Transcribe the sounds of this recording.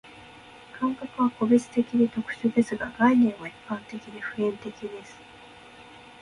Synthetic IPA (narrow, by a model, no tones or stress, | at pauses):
kãŋkakɯ̟β̞ako̞be̞t͡sɨ̥t̪e̞kʲiɲit̪o̞kɯ̟̥ɕoːd̪e̞sɨɡaɡainẽ̞ɰ̃βaipːãnt̪e̞kʲiɲiɸɯ̟ẽ̞nt̪e̞kʲid̪e̞sɨ̥